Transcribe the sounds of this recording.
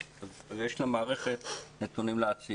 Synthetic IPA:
jeʃlamaːʁe̞χet̪net̪unimleat͡si

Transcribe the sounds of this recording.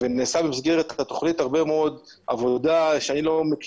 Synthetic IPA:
veneːsabemisɡeʁet̪at̪oχnithaʁbe̞meo̞d̪ | a̰vo̞d̪aʃeanilo̞mek

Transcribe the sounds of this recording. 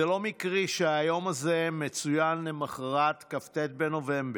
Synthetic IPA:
elo̞mikʁiʃehajo̞mazemet͡sujanlemaχaʁat̪kaft̪et̪̚beno̞ve̞mb

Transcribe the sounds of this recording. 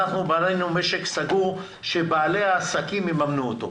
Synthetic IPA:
aχnubanejnumeʃeksaɡuʁ | ʃebaːleaːsakimjemamnuot̪o̞̰

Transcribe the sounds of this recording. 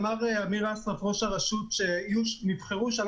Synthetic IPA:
maʁeamiʁasʁafʁo̞ʃaʁaʃutʃejunivχeʁuʃal

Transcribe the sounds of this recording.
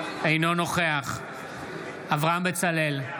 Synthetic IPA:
ejno̞no̞χeaχ | avʁaambet͡sale̞l

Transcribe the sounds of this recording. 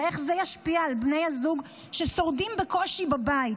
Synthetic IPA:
e̞χzejaʃpiaːlbnejhazuɡ | ʃeso̞ʁdimbeko̞ʃibabai

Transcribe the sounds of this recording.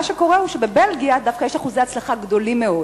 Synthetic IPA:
aʃeko̞ʁehuʃebebelɡijadafkajeʃaχuzeat͡slaχaɡd̪o̞limːeo

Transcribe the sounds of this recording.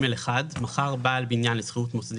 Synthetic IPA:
meleχad̪maχaʁbaʔːlbinjanlesχiut̪mosd̪

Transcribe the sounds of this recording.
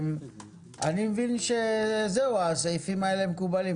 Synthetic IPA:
m | a̰nimvinʃezɛwaseifimalɛmkubali

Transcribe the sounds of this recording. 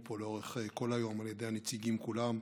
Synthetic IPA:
po̞leo̞ʁeχeko̞lajo̞maljed̪ehanet͡siɡimkulam

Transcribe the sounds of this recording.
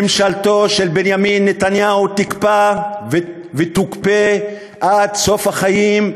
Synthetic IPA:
emʃalt̪o̞ʃelbenjaminːet̪anjaut̪ikpav | vet̪ukpe | ʔad̪so̞fhaχajim

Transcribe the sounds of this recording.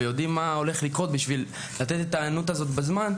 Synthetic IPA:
ejo̞d̪imːao̞le̞χlikʁo̞t̪̚biʃvil | lat̪e̞t̪et̪aːanut̪azo̞t̪bezman

